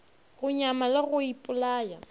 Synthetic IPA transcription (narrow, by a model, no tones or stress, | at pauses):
ɣʊɲamalɪɣʊipʼʊlaːja